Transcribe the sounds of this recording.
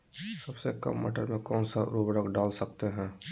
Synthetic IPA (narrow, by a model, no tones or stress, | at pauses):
sɐbsekɐ̰mːɐ̰ʈəɾmẽkɔːnsaɾuːbɾəkɖaːlsɐk̚t̪eɦɛ̃ː